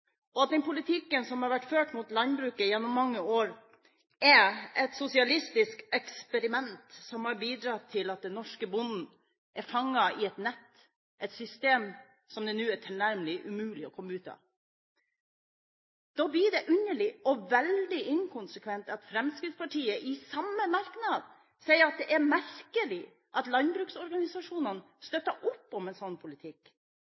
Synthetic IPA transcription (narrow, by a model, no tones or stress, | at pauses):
ʔɔɑt̪̚d̪ɛnpʊlɪt̪ʰɪkːənsɔmhɑɾʋæʈːføːʈmut̪lɑnbɾʉːkəjɛnːʊmːɑŋːəoːɾ | ɛɛt̪sʊsɪɑlɪst̪ɪskɛkspɛɾɪmɛnt̪sɔmhɑɾbiːd̪ɾɑt̪ʰːɪlɑt̪̚d̪ɛnnɔʂkəbʊnd̪n̩ | ʔæɾfɑŋːɑɪɛt̪nɛt̪ː | ʔɛt̪sʏst̪eːm | sɔmd̪ɛnʉːæʈʰɪlnæɾməlɪʔʉmʉːlɪɔkʰɔmːəʉːt̪ɑ̰ | d̪̥ɔːb̪iːɖ̪ɛʔʉnːəɭɪɔʋɛld̪ɪʔɪŋkʰʊnsəkʰʋɛnt̪ɑt̪fɾɛmskɾɪt̪spʰɑʈʰiːəʔɪsɑmːəmɑɾknɑd̪ | sɛɪəɾɑt̪̚d̪ɛʔæɾmæɾkəlɪ | ʔɑt̪lɑnbɾʉːksɔɾɡɑnɪsɑʂuːnən | st̪œt̪ːəʔʊpːɔmɛnsɔnːpʰʊlɪt̪ʰɪkː